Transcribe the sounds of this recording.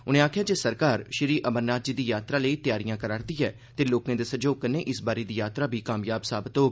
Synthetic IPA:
ʊnẽːaːkʰjaːd͡ʒeːsəɾkaːɾʃɪɾiːʔəməɾnaːd͡ʒiːd̪iːjaːt̪ɾaːləiːt̪ɪjaːɾijãːkəɾaːɾd̪iːɛː | t̪eːloːkẽːd̪eːsəd͡ʒoːɡ̚kəneːʔɪsbaːɾeːd̪iːjaːt̪ɾaːbʱiːkaːmjaːbsaːbət̪oːɡ

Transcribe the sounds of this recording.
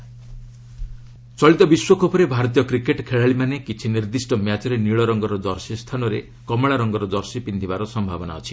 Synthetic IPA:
t͡ʃɔɭit̪ɔbiswɔkʰɔpʰɔɾebʱaɾɔt̪̬ijɔkɾikeʈkʰeɭaɭimanekit͡ʃʰiniɾd̪isʈɔmjat͡ʃɔɾeniɭɔɾɔŋɡɔɾɔdɔɾsist̪ʰanɔɾe | kɔmɔɭaɾɔŋɡɔɾɔd̪ɔɾsipind̪ʰʱibaɾɔsɔmbʱabɔna̰ɔt͡ʃʰi̥

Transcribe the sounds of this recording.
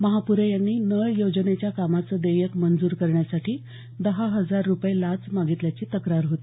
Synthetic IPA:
məɦapuɾejanːiːnəjjod͡zənet͡ɕjakamat͡səːd̪əjəkmənd͡zuːɾkəɾɳjasaʈʰiː | d̪əɦaɦəd͡zaɾːupjelat͡smaɡit̪ljat͡ɕiːt̪əkɾaɾɦot̪i̥

